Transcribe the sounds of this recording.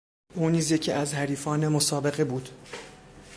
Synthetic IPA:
ʔuːniːzje̞cʰiːʔæzhæɾiːfɒːnemosɒːbe̞ɣe̞buːd̪̥

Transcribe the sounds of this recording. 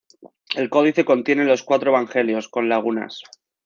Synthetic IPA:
e̞lko̞ð̞iθe̞ko̞nt̪je̞nelo̞skwat̪ɾoe̞βaŋxe̞ljo̞sko̞nlaɣ̞una̰s

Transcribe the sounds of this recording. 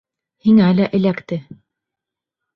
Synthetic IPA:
hiŋælæʔɘ̆lækt̪ɘ

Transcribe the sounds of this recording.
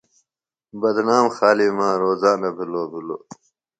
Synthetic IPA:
bɐd̪naːmxaːliːmãːɾoːzaːnɐbʱiloːbʱilo̰ː

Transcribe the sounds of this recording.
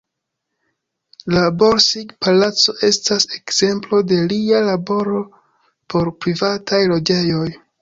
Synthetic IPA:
laboɾsiɡpalat͡so̞ʔe̞stase̞kz̥e̞mplo̞de̞lialabo̞ɾo̞ | pʰo̞ɾpɾivatʰajlo̞d͡ʒe̞jo̞j

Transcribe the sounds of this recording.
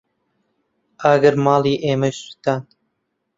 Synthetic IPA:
ʔaɡɐɾmɑːlˠiːʔeːmɐʃsu̥t̪aːn

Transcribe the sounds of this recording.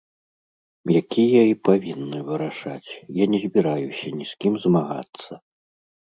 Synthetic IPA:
jakʲijɐipavʲinːɨvɨɾaʂat͡sʲjanʲɛzʲbʲiɾajusʲɐnʲiskʲimzmaɣa̰t̪sːɐ

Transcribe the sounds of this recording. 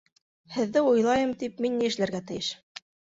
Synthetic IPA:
hɘ̆ðːɘujlˠɑjɤmt̪ipminːijɘ̆ʃlæɾɡæt̪ɘ̆jɘʃ

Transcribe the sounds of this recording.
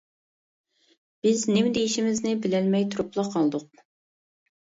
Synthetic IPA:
b̥ɪznɪmd̪ejiʃimɪznɪbɪlɛlmɛjt̪ʰuɾʊplˠɑqʰɑlˠd̪ʊq̚

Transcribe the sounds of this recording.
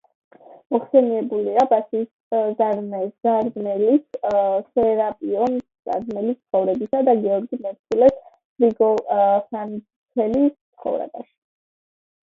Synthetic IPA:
mɔχsɛniɛbuliabasiːs | zaɾnɛz̥aɾmɛlissɛɾapʼiɔnsz̥a̰ɾd̪mɛlist̪sχɔvɾɛbisad̪aɡɛɔɾɡimɛɾt̪ʰilɛs | ɾiɡɔsan | t̪ʰɛlist̪sʰχɔ̰vɾɛ̰baʃi̥

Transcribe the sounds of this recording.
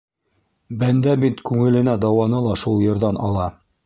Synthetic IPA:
bænd̪æbit̪kʉŋɘ̆lɘ̆næd̪ɑwɑnɤlˠɑʃulˠjɤ̆ɾðɑnɑ̰lˠɑ

